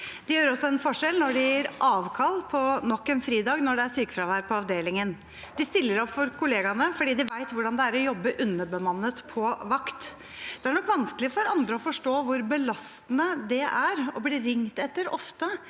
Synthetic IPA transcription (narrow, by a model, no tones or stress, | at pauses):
d̪̥ɪjøːɾɔsːɔɛnfɔʂɛlnɔɖɪjæɾʔɑːʋkʰɑlːpʰɔnɔkːɛnfɾiːd̪ɑːɡnɔɖɛæsyːkə̥fɾɑːʋæɾpʰɔɑʋd̪eːlɪŋən | d̪̥ɪst̪ɪlːəɾɔpːfɔɾkʊleːɡɑnəfɔɖiːd̪ɪʋæɪt̪ʋʊɖɑnd̪ɛæɾɔjɔbːəʔʉnːəbəmɑnːət̪pʰɔʋɑkt̪ | d̪̥ɛæɳɔkːʋɑnskəlɪəfɔɾɑnd̪ɾəɔfɔʂʈoːʋʊɾbəlɑst̪ənəd̪ɛʔæɾɔbliːɾɪŋt̪ɛt̪ːəɾɔ̰ft̪ə